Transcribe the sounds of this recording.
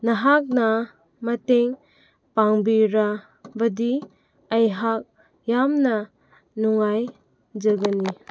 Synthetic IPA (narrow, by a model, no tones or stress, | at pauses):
naɦak̚na | mɐteŋ | paŋbiɾa | bɐdi | ɐjɦak̚ | jamna | nuŋaj | d͡ʒɐɡani